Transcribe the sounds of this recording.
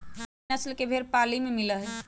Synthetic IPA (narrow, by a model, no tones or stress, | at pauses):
əslkebʱeɾpalimemiləɦ